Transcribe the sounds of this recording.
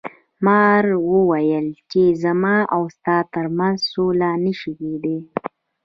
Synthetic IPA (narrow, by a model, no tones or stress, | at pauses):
mɑɾwəwajəlt͡ʃezamɑawst̪ɑt̪əɾmanzsolanəʃiked̪e